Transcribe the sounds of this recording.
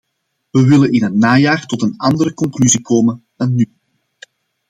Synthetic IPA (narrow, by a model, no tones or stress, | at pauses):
ʋəʋɪlənɪnənːaːjaːrtɔtənɑndəɾəkɔŋklyzikʰoːmən | anːy